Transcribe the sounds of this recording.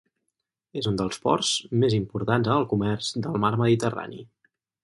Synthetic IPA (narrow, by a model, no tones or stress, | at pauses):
ezund̪əlˠspɔrzmezimpuɾt̪anzənəlˠkumɛrz̥d̪əlˠmaɾməðit̪əra̰nḭ